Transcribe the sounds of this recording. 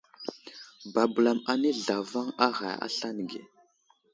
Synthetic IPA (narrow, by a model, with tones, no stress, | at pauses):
ba˨bu˨la˨ma˨ne˦ɮa˨va˦ŋa˦ɣa̰˨a̰˦ɬa˦n˨ɡḛ˨